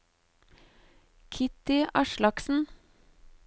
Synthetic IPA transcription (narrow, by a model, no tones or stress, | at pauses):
kʰɪt̪ɪʔɑʃlɑksn̩